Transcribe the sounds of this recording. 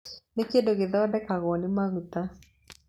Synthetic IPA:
nɪkedoɡɪðɔdɛkaɣɔnɪmaɣut̪a

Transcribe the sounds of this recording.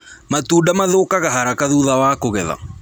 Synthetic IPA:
matuːdamaðokaɣaɦaɾakaðuðawaːkoɣɛða̰

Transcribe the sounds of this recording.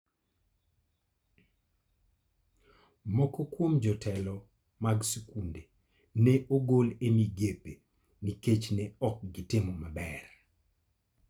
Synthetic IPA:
mɔkɔkwomd͡ʒɔtʰɛlɔ | maɡsukunde | neʔoɡolemiɡepe | niket͡ʃnɛɔk̚ɡɪtɪmɔmabɛr

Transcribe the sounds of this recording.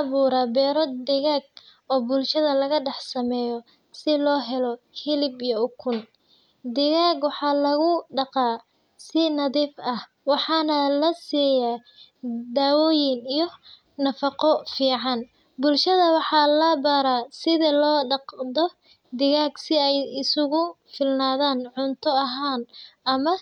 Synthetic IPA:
ɑβuːɾabɛːɾɔd̪ɪɣaːɡ̚ | ɔːbʊlʃɐðɐlɐɣɐɖɑħsɐmɛːjɔ | sɪlɔːɦɛlɔ | hɪlɪbijɔʊkʰʊn | d̪ɪɣaːɡwɑħɑːlɐɣʊɖɑqɑː | sɪnɐðiːfɐh | wɑħɑːnɐlɐsiːjaː | d̪aːwɔːjɪnijɔ | nɐfɑqɔfiːʕɑn | bʊlʃɐðɐwɑħɑːlɐbɐɾasɪðɐlɔːɖɑqd̪ɔ | d̪ɪɣaːɡsɪɛjɪsʊɣʊ | fɪlnaːðaːnʕʊnt̪ʰɔɐɦaːnʔɐmɐ

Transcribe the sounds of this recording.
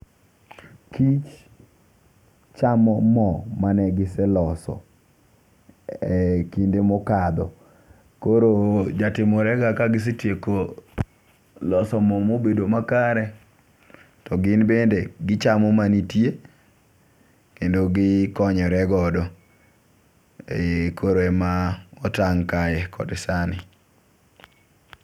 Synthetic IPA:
kit͡ʃ | t͡ʃamɔmɔmanɛɡɪsɛlɔsɔ̰ | ɛkindemokad̪ɔ | koɾod͡ʒatɪmɔɾɛɡakaɡɪs̬itjeko | lɔsɔmɔmobedomakaɾɛ | tɔɡɪnbendeɡɪt͡ʃamɔmanitje | kendoɡɪkɔɲɔɾɛɡɔdɔ | kʰoɾoɛmaɔtaŋkajɛkʰɔ̰dɪsanɪ

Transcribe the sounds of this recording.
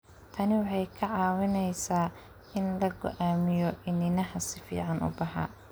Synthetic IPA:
t̪ʰɐnɪwɑħɑjkʰɐʕɑːwɪnɛjsaː | ɪnlɐɡɔ̰ʔaːmɪjɔʔɪnɪnɐɦɐsɪfḭːʕɑnʊ̰bɐħa̰ː

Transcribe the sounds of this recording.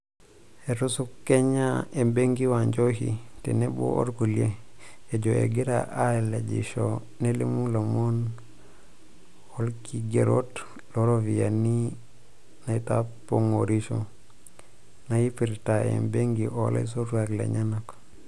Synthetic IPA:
eɾusukːeɲaembeŋɡiwaɲd͡ʒohḭtḛnebo̰ʔo̰ɾkulieed͡ʒoḛɡeɾa̰ʔaled͡ʒḭʃo | nelḭmulomon | olkiɡeɾot | loɾovijani | naitapoŋoɾiʃo | najipiɾtaḛmbeŋɡiʔola̰s̬otuaklḛɲanak

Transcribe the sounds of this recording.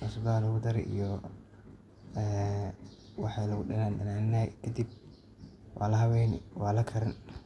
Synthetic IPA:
ʊsɐd̪alɐɣʊd̪ɐɾɛ̰ʔḭjɔ | ɛː | wɑħɑjlɐɣʊɗɐnaːnɗɐ̰naːnɪnɐkʰɐd̪ib̚ | wɑ̰ːlɐɦɐwɛjnwɑːlɐkʰɐɾɪn

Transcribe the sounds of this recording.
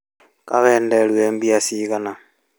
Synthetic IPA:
kaβeːndelweːmbiasiɣana

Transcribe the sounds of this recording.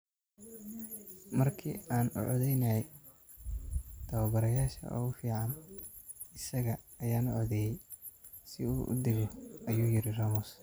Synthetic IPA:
mɐrkʰḭːaːnʊ̰ʕɔðɛjnɐɛ | d̪̥ɐwɐbɐɾɐjaːʃɐ̰ʔɔ̰ːʊfiːʕɑn | ɪsɐɣɐːjaːnʊʕɔðɛːjɛj | sɪuːʔʊ̰d̪ɪɣɔʔɐjuːjɪɾɪraːmʊs

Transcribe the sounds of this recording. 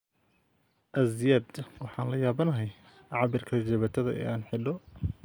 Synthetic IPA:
ʔɐzjɐd̪wɑħɑːnlɐjaːβɐnɐɦɛj | ʕʕɑbɪrkʰɐd͡ʒɛβɐt̪ʰɐðɐʔɛ̰ːaːnħɪɖɔ

